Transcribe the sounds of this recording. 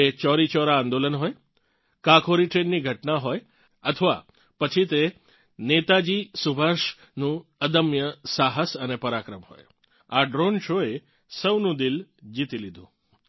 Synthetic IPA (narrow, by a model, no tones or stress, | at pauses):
et͡ʃɔɾit͡ʃɔɾãːnd̪olənɦoj | kakʰoɾiʈɾenːiɡʱəʈnaɦoj | ət̪ʰəʋa̰ | pət͡ʃʰit̪e | net̪ad͡ʒisubʱaʃ | nũəd̪əmjəsaɦəsənepəɾakɾəmɦo̰j | aɖɾonʃoe | səwnũd̪ild͡ʒit̪ilid̪ʱṵ̃